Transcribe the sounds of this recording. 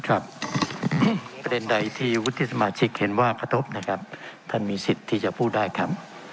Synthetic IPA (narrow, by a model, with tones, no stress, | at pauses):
kʰɾa˦˥p̚ | pɾa˧de˧nda˧jt̪ʰiː˥˩wu˦˥t̪ʰːi˥˩sa˧maː˧t͡ɕʰi˦˥k̚he˩˦nwaː˥˩ka˧t̪ʰo˦˥p̚na˦˥kʰa˦˥p̚t̪ʰa˥˩nmiː˧si˨˩t̪ʰːiː˥˩t͡ɕa˨˩pʰuː˥˩t̪̚daː˥˩jkʰa˦˥p̚